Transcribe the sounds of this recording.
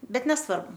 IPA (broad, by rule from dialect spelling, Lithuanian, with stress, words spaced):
ˈbʲɛt nʲɛsˈʋɐrbʊ